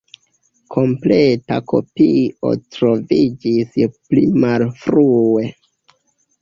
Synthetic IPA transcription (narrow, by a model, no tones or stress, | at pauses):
kʰo̞mpleta̰kʰo̞̰piʔo̞̰tɾo̞vid͡ʒisplimalfɾue